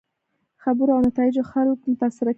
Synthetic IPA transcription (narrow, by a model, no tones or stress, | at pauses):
xabəɾoawnat̪ɑɪd͡ʒoxalokmʊt̪asɪɾak